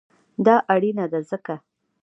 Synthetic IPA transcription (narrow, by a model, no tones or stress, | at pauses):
d̪ɑʔaɽinad̪azəka